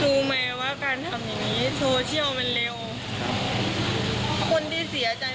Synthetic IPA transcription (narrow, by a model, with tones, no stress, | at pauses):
duː˧mɛː˧waː˥˩kaː˧nt̪ʰa˧mja˨˩ŋniː˦˥t̪ʰoː˧t͡ɕʰi˥˩əwma˧nle˧w | kʰo˧˥nt̪ʰiː˥˩si˨˩˦ɐ˦t͡ɕa˧j